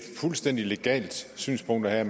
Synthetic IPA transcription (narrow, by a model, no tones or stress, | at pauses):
fulsd̥en̰d̥ile̝ɡ̥ɛ̰ːld̥sy̰ːnspʰɔ̽ŋ̰d̥ɐhæɐm